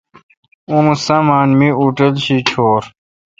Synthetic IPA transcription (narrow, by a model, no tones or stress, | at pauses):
ũmusɐ̃maːnmiuʈelɕit͡ɕʰoːɾ